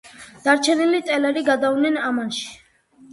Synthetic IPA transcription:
d̪̥aɾt͡ʃʰɛnilit̪ʼɛlɛɾiɡad̪avnɛnamanʃi̥

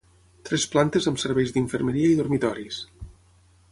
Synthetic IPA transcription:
t̪ɾɛsplant̪ezəmsəɾβɛjzd̪iɱfəɾməɾiəiðormit̪ɔɾis

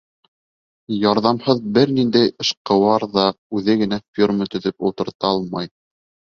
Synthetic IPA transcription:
jɑɾðɑmhɤðbɘɾnind̪æjɤ̆ʃqɤ̆wɑɾðɑʉðɘɡɘ̆næfʲirmət̪ɵ̆ðɵpulˠt̪ɤ̆ɾt̪ɑɑlˠmɑj

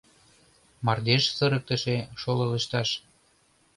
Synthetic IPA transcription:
mɑrd̪eʃsə̆ɾək̚t̪ə̆ʃeʃolɤlə̆ʃt̪ɑʃ

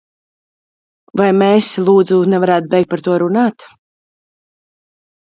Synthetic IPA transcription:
vajmɛslˠuːd̪zunɛvaɾæːt̪̚bʲɛjkt̪̚paɾt̪uɔɾunaːt̪

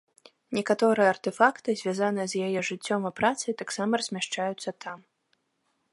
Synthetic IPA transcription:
nʲɛkat̪ɔɾɨjɛɐrt̪ɛfakt̪ɨzʲvʲazanɨjɛzjajɛʐɨt͡sʲːɔmɐpɾat̪sɨjt̪aksamɐrɐzʲmʲaʂt͡ʂajut̪sːɐt̪ʰam

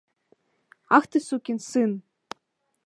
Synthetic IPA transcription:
ɑxt̪ɤsukʲinsɨn

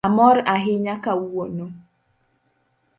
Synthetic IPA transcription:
amɔɾaɦɪɲakauono

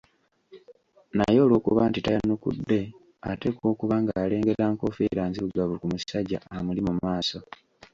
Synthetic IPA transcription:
najo̞ːlwo̞ːkṵβantitajanukṵdːe̞ | ate̞ko̞ːkuβaːŋɡaːle̞ːŋɡe̞ɾaːŋko̞feɾaːnziβuɡaβukumusaɟa̰amulimumaːso̞

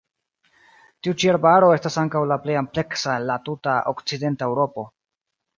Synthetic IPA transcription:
tiut͡ʃieɾbaɾo̞e̞stasaŋkawlaple̞jample̞ksaenlatutao̰kt͡side̞ntaewɾo̞po̞

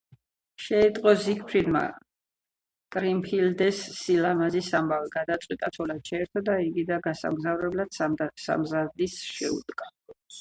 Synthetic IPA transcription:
ʃɛit̪ʼqʼɔzikʰpʰɾid̪ma̰ | kʼɾimpʰild̪ɛsːilamazisambaviɡad̪at̪sʼwit̪ʼat̪sʰwɔlad̪̥ʃʰaɛɾt̪ʰɔd̪aiɡid̪aɡasa̰mɡzavɾɛblad̪̥sa̰mzad̪isʃɛ̰ṵd̪ɡa

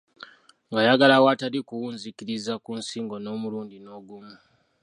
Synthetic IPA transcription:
ŋɡajaɡalawatalikuwuːnzikiɾizakuːnsiːŋɡo̞no̞ːmuluːndino̞ːɡumu

